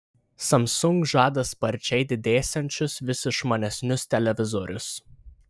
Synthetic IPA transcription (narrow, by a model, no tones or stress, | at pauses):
sɐmsʊŋkʒɑːd̪ɐspɐɾʲt͡ʃʲɛɪd̪ʲɪd̪ʲeːsʲɛnʲt͡ʃʲʊsʋʲɪsʲɪʃmɐnʲɛsʲnʲʊst̪ʲɛlʲɛʋʲɪzɔɾʲʊs